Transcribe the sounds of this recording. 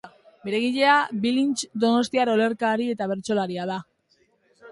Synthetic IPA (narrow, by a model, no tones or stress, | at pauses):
be̞ɾe̞ɣ̞iʎe̞abilint͡ʃd̪o̞no̞st̪iaɾo̞le̞ɾkaɾie̞t̪aβ̞e̞ɾt͡so̞laɾiað̞a